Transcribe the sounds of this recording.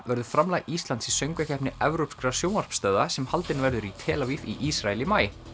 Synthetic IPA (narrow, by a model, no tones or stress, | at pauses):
vɛɾðʏ̥fɾamlajɣist̪lant̪sisœɥŋkacʰɛhpnɪɛvɾowpskɾasjoːwnar̥pst̪œːðasɛmhalt̪ɪnvɛɾðʏɾit̪ʰɛːlavifiʔisɾaɛlɪmaːjɪ